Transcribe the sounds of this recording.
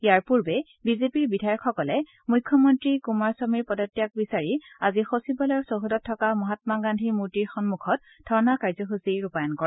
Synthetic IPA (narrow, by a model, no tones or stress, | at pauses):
ijaɹpuɹbɛ | bizepiɹbidʱajɔkʰxɔkɔlɛ | mujkʰːɔmɔntɹikumaɹsɔmiɹpɔdɔtːijak̚bisaɹiazixosibɔlɔɹsoɦudɔtʰːɔkamɔɦatmaɡandʱimuɹtiɹxɔnmukʰɔt̚ | d̥ʰʱɔɹnakaɹzɔxusiɹupajɔnkɔɹ